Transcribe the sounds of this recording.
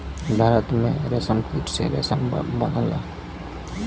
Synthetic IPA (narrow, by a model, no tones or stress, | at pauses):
bʱaːɾət̪mẽɾesəmpʰiʈsḛɾḛsəmbənəla̰